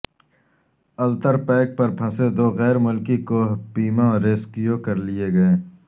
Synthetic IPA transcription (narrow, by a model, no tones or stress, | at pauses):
ɐlt̪əɾpɛːk̚pɐɾpʰɐ̃sed̪oːɣɛːɾmʊlkikopiːmãɔːɾeːskijokɐɾlijeɡɐẽː